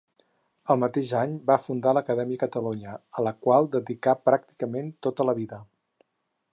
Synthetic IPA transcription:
əlˠmət̪eʒaɲbafund̪aləkəðɛmiəkət̪əluɲəələkwalˠd̪əðikapɾak̚t̪i̥kəment̪ot̪ələβiðə

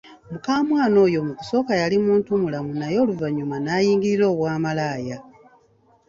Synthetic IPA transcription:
mukaːmwaːno̞ːjo̞muku̥so̞ːkajalimuːntumulamunajo̞ːluvaɲːumanaːjiːŋɡiɾiɾo̞ːβwaːmalaːja

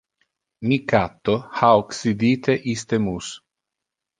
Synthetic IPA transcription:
mikat̪ːohaoksid̪it̪eʔist̪emus

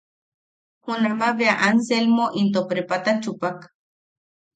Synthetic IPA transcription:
hunamaβeaʔanselmoʔint̪opɾepat̪ant͡ʃupak

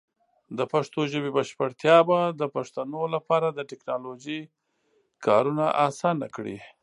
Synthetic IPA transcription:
d̪əpaʂt̪oʒəbebaʃpəɽt̪jɑbad̪əpaʂt̪anolapɑɾad̪əʈɪknɑloʒi | kʰɑ̰ɾunaʔasɑna̰kɽḭ

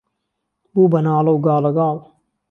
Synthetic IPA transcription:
buːbɐnaːlɐwɡɑːlɐɡɑːl

